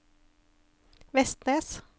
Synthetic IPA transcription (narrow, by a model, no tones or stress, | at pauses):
ʋɛst̪neːs